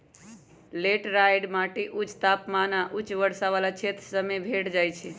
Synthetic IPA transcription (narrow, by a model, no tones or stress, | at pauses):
leʈɾajɖmaʈiʔut͡ʃt̪apmanaʔut͡ʃʋəɾsaʋalat͡ʃʰet̪ɾəsəmebʱeʈd͡ʒajt͡ʃʰɛ